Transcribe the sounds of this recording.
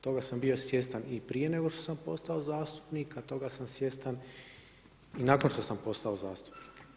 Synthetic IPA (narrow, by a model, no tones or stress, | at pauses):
t̪o̞ɡasambio̞sʋje̞st̪anipɾije̞ne̞ɡo̞ʃt̪o̞sampo̞st̪ao̞zaːst̪u̥pnikat̪o̞ɡasamsje̞st̪an | inako̞nʃt̪o̞sampo̞st̪ao̞zaːst̪u̥pniːk